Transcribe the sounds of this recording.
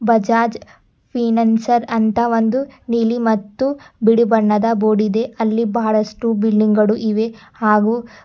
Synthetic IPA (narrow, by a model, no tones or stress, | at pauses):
bɐd͡ʒaːd͡ʒ | pʰiːnɐnsɐɾɐnt̪ɐʋond̪uniːlimɐt̪ːubiɽibɐɳːɐd̪ɐboːɽid̪e̞ʔɐlːibaːɭɐsʈubiɭɖiŋɡɐɽuʔiʋe̞ | haːɡuː